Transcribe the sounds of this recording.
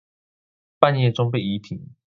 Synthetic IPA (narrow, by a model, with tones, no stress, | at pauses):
pa˥˨njɛ˥˨ʈ͡ʂʊ˥ŋpe˥˨ɪi˧˦t̪ʰi˨˩˦ŋ